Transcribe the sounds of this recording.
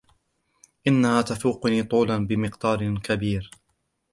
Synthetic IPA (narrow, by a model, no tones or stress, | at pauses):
ʔɪnːahaːt̪afuːqʊniːt̪ˤuːlanbɪmɪqd̪ɑːɾkabiːɾ